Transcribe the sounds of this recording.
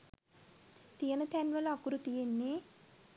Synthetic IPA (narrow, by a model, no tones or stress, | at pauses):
t̪ijɐnɐt̪ʰɛnʋɐlɐkːuɾut̪ijenːe